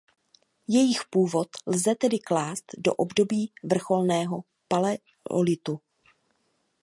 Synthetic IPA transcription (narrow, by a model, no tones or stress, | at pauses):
jɛjɪxpuːvo̞t̪lzɛt̪ɛdɪklaːst̪do̞̰ʔobdo̞biːvr̩xo̞lnɛːɦo̞ | palɛ | o̰lɪt̪u